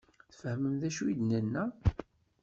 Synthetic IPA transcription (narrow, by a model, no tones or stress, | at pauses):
θfəhməmðæʃuid̪nənːæ